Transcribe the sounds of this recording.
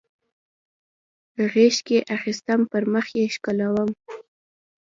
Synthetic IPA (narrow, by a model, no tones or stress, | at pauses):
ɣeʃkeʔaxist̪əmpəɾməxjeʃkalawəm